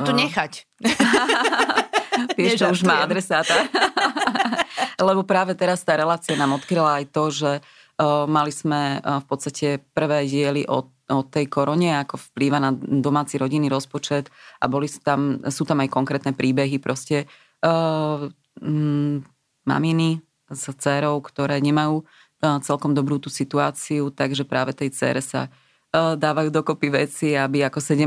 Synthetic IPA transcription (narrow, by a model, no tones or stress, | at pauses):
t̪ɔɲɛxac | tɪɛʃt͡ʃɔuʒmaːad̪ɾɛsaːt̪a | lɛbɔpɾaːʋɛt̪ɛɾast̪aːɾɛlaːt͡sianaːmɔt̪kɾilaajt̪ɔʒɛ | maliz̥mɛfpɔt̪st̪acʰɛpr̩ʋɛːɟɪɛliʔɔ̰ | ɔt̪ɛjkɔɾɔɲɛakɔfpliːʋanad̪ɔmaːt͡siɾɔɟinːiɾɔspɔt͡ʃɛt̪ʔabɔlit̪amsuːt̪amajkɔŋkɾɛːt̪nɛpɾiːbɛɦipɾʔɔscɛ | ma̰mini | zt͡sɛːɾɔʊkt̪ɔɾɛːɲɛmajuː | t͡sɛlkɔmd̪ɔbɾuːt̪uːsit̪uaːt͡siut̪aɡʒɛpɾʔaːʋɛt̪ɛjt͡sɛ̰ːɾɛsa̰ | d̪aːʋajuːd̪ɔkɔpiʋɛt͡siabiakɔsɛɟɛ